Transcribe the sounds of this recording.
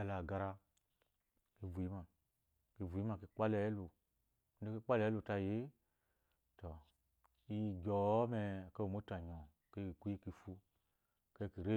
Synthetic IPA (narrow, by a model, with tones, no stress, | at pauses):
a˧˨la˨ɡa˧ɾa˧ | ki˧vu˨ji˦ma˧ | ki˧vu˨i˦ma˧˨ke˧˦k͡pa˦lɛ˨˦lu˨˦ | e˦ki˦k͡pa˦lɛ˨˦lu˨ta˧˨je˨˦ | tɔ˨ | i˦˧ɡʲɔ˨˦mɛ˧˨ke˦o˨mo˦ta˨ɲɔ̃˨ | ke˦i˨ku˦i˦ki˧fu˧˨ | ke˦ki˨ɾe˦